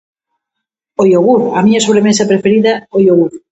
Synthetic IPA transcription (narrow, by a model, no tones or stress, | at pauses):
ojoɣuθamiɲasoβ̞ɾemesapɾefeɾiðaojoɣuθ